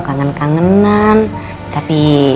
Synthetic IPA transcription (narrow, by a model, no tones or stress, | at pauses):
kaŋənkaŋənan | t͡ʃapi